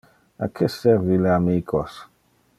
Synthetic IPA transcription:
a̰kʰesɛɾvileamiːkʰos

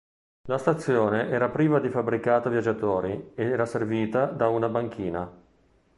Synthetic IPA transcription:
last̪at̪sːjoːneʔɛːɾapɾiːvad̪ifabɾikaːt̪ovjad͡ʒːat̪oːɾied̪ɛːɾaserviːt̪ad̪aunabaŋk̟ʰiːna

